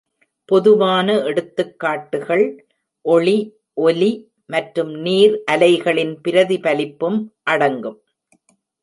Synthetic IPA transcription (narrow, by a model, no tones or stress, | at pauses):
pɔðɯʋaːnɐɛɽɯt̪ːɯkːaːʈːɯɣɐɭ | ʔɔɭi | ʔɔli | mɐʈɾɯmniːɾʔɐlɐɪɣɐɭɪnpɪɾɐðipɐlɪpːɯmʔɐɽɐŋɡɯm